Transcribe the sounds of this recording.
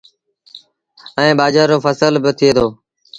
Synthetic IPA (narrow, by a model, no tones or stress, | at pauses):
əĩːɓaːd͡ʒaːɾoːfəsəlbɪt̪ʰɪeːd̪ʰoː